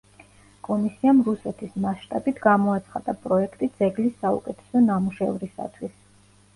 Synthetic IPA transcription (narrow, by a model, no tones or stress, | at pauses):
kʼɔmisiamɾusɛt̪ʰismaʃt̪ʼabit̪ʰɡamɔat̪sʰχad̪apʼɾɔɛkʰt̪ʼid̪z̥ɛɡlisːaṵkʼɛt̪ʰɛ̥sɔnamuʃɛ̰vɾisa̰t̪ʰwis